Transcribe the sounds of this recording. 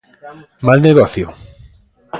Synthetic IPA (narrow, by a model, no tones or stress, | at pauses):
malneɣɔθjo